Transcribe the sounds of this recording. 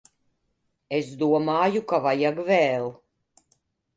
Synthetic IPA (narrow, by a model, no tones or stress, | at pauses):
esd̪uɔmaːjukavajaɡvɛːlˠ